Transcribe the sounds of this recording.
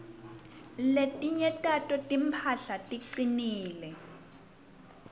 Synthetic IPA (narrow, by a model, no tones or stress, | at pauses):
letʼiɲɛtʼatʼɔtʼimpʰaɬatʼiǀiniːlɛ